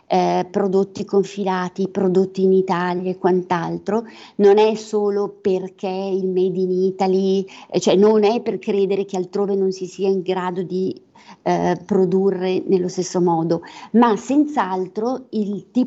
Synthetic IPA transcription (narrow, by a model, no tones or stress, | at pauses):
pɾod̪ot̪ːikoɱfilaːt̪ipɾod̪ot̪ːiːnit̪aːljaekwant̪alt̪ɾononɛsoːloperkʰeilmɛd̪init̪alit͡ʃoɛnonɛpːerkɾeːd̪eɾekealt̪ɾoːvenonsisiːaiŋɡɾaːd̪od̪i | pɾod̪urːenelːost̪esːomɔːd̪omasɛnt̪saalt̪ɾoilt̪iː